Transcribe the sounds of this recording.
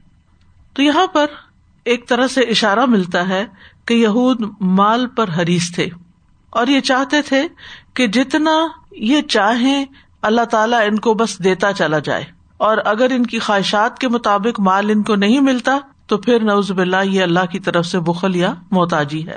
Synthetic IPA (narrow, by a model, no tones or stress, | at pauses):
t̪ojɐɦãpɐɾ | eːk̚t̪ɐɾəseɪʃaːɾamɪlt̪aɦɛkejɐɦuːd̪maːlpɐɾɦɐɾiːst̪ʰeː | ɔːɾjet͡ʃaːɦt̪et̪ʰeked͡ʒɪt̪najet͡ʃaːɦẽ | ɐlːaɦt̪aːlaɪnkobɐsd̪eːt̪at͡ʃɐlad͡ʒa̰ːḛː | ɔːɾɐɡəɾɪnkixaːɦɪʃaːt̪̚kemʊt̪aːbɪqmaːlɪnkonɐɦĩmɪlt̪at̪opʰɪɾnɐuːzbɪlːajeɐlːaɦkit̪ɐɾəfsebʊxəljamɔːt̪aːd͡ʒiɦɛ̰ː